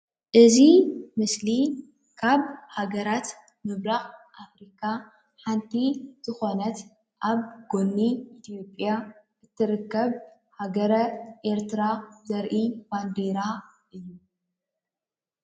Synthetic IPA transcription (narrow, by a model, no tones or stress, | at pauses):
ʔɨzimɨsli | kʰaβhaɡɐɾat̪ | mɨβɾaxʔafɾikʰa | ħant̪ʰiz̥ɨxo̞nɐt̪ | ʔaβɡonːiːt̪ʰjopʼja | ʔɨt̪ʰːɨɾɨkːɐβ | haɡɐɾɐʔe̞ɾt̪ɨɾazɐɾʔiband̪eɾa | ʔɨjːu